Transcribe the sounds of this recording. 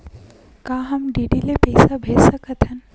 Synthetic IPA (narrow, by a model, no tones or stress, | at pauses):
kaːɦɐmɖiːɖilepɛɪsabʱeːsɐkət̪ɦɐn